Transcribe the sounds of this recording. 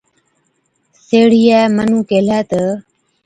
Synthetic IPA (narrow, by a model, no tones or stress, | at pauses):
seːɽijaːmənũːkeːlaːt̪ə